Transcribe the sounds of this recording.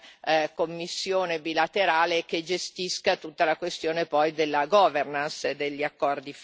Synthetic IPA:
komːisːjoːnebilat̪eɾaːleked͡ʒest̪iskat̪ut̪ːalakwest̪joːnepɔjd̪elːaɡɔvernansed̪eʎːiakːɔrd̪if

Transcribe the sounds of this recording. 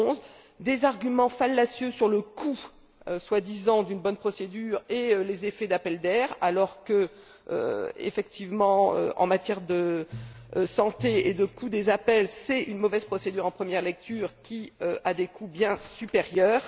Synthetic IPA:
z | d̪ezaʁɡʲymɑ̃falːasjøsyʁləkʰu | øswad̪izɑ̃d̪ynbɔnpχɔsed̪yʁelezefɛd̪apɛld̪ɛʁalɔʁkə | ø̰ḛfɛk̚t̪ʰivmɑ̃ø̰ɑ̰̃mat̪jɛʁd̪ə | sɑ̃t̪eed̪əkʰud̪ezapɛlsɛynmɔvɛz̥pχɔsed̪yʁɑ̃pχəmjɛʁlɛk̚t̪yʁkʲiøʔad̪ekʰubjɛ̃sypeʁjœːʁ

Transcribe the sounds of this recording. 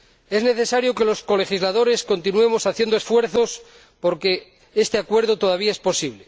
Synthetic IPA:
e̞zneθesaɾjoke̞lo̞sko̞le̞xizlað̞o̞ɾe̞skont̪inue̞mo̞saθje̞nd̪oesfwe̞ɾθo̞s | po̞ɾke̞ | est̪eakwe̞ɾðot̪o̞ðaβiae̞spo̞siβ̞le

